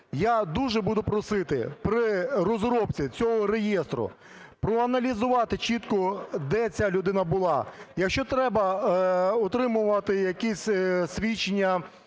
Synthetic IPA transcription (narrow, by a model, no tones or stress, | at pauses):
jad̪uʒɛbud̪ʊpɾɔsɪt̪ɪ̰pɾɪrɔzɾɔpt͡sʲit͡sʲɔɦɔɾejɛst̪ɾʊ̰ | pɾɔɐnɐlʲizʊʋɑt̪ɪt͡ʃit̪kɔd̪ɛt͡sʲalʲʊd̪ɪnɐbʊlˠɑjɐkʃt͡ʃɔt̪ɾɛbɐ | ɔt̪ɾɪmʊʋɐt̪ɪjɐkɛsʲsʲʋʲit͡ʃɪnʲːɐ